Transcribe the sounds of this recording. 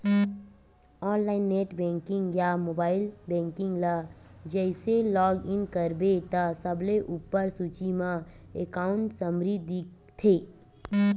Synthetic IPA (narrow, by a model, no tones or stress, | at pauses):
ɔːnlaːɪnːeːʈbɛ̃ːŋkɪ̃ŋɡjamoːbaːɪlbɛ̃ːŋkɪ̃ŋɡlad͡ʒɛɪselɔːɡɪnkəɾbet̪asəbleʔuːpːəɾsuːt͡ʃimã | ekaːʊ̃ɳʈsəmɾid̪i | t̪ʰeː